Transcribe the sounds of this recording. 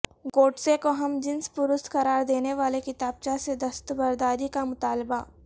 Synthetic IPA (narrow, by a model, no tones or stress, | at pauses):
ɡoːʈsekoɦɐmd͡ʒɪnspʊɾʊst̪xɐɾaːɾd̪eːneʋaːlekɪt̪aːb̚t͡ʃased̪ɐst̪bɐɾd̪aːɾikamʊt̪aːlba